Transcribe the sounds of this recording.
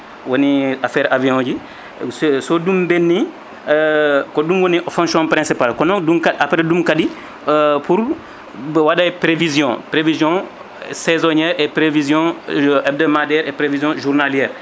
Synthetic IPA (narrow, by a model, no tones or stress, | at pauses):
wɐniafɛːɾʔavijɔ̃ːɟi | ssɔdumbɛnːi | kɔdumwɔniʔfɔ̃ŋksjɔ̃pɾɛ̃nsipalkɔnɔ̃dumkaʔapɾɛdumkadi | puɾ | wadajpɾevizjɔ̃pɾevizjɔ̃ | sɛzɔɲɛːɾʔepɾevizjɔ̃ʔɛb̚dəmadɛːɾepɾevizjɔ̃ʒuɾnaljɛːɾ